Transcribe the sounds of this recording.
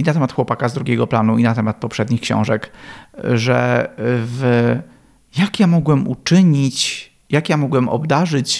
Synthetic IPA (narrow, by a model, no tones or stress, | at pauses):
inat̪ɛmat̪xwɔpakazd̪ɾuɡʲeɛɡɔplanuinat̪ɛmat̪̚pɔpʂɛd̪ɲixkɕɔ̰̃w̃ʐɛk | ʐɛ | v | jakjamɔɡwɛmṵt͡ʂɘɲit͡ɕ | jakjamɔɡwɛmʔɔ̰bd̪aʐɘt͡ɕ